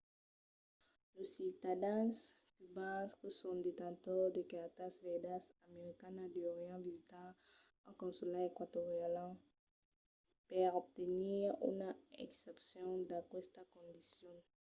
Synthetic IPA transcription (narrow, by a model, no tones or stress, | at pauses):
losit̪ad̪ɛ̃skybãskusɔ̃d̪et̪ãt̪ɔʁd̪ekat̪asvɛd̪asameʁikanad̪ioʁjɑ̃vizit̪a | ãkɔ̃sulaekwat̪oʁjalã | pɛʁob̚t̪eniʁy̰naḛksɛpsjɔ̃d̪ãkwɛst̪akɔ̃nd̪isjɔ̃